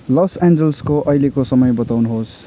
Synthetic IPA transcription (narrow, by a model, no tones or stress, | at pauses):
lʌsend͡zʌlskoʔʌjlekosʌmʌjbʌt̪awnuɦos